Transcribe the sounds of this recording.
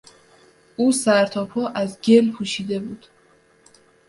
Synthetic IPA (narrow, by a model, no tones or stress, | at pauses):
ʔuːsæɾt̪ʰɒːpʰɔːʔæzɟelpʰuːʃiːd̪e̞buːd̪̥